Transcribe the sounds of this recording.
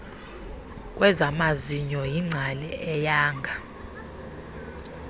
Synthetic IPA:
k̬ʼwɛzamaziɲɔjiŋ͡ǀʱalɛɛjaːŋɡʱa

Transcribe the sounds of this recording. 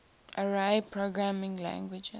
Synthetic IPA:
ʔəɹaɪpʰɹoɡɹamɪ̃ŋlæ̰̃ŋɡwɪd͡ʒɛ

